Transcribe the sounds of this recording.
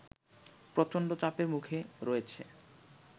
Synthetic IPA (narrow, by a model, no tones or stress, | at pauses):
pɾot͡ɕonɖot͡ɕapeɾmukʰeɾoet͡ɕʰḛ